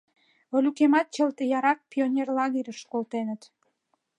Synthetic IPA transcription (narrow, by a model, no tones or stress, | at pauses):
olʲukemɑt̪̚t͡ɕəlt̪ejɑɾɑk̚pionʲerlɑɣeɾʲəʃkolt̪enət̪